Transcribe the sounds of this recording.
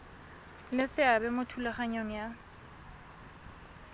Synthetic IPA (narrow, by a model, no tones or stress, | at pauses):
lɪsɪabɛmʊtʰulaχaɲoŋ̩ja